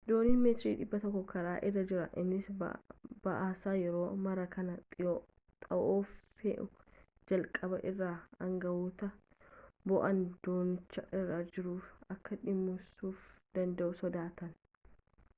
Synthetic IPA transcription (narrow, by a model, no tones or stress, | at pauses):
d̪o̞ːniːnmeːt̪ɪɾiːᶑɪbːɐt̪ɔkːɔkɐɾaːʔɪrːɐd͡ʒɪɾɐʔɪnːɪs | bɐʔaːsaːjɛɾo̞ːmɐɾɐkɐnɐt̪ʼɪjo | t̪ʼɐʔoːfḛʔʊ | d͡ʒɐlkʼɐbɐʔɪrːaːɐŋɡɐwuːt̪ɐ | bɔʔɐnd̪oːnt͡ʃːɐʔɪrːaːd͡ʒɪɾuːfɐkːɐᶑɪmːʊsuːfd̪ɐnd̪ɐʔʊsɔd̪aːt̪ɐn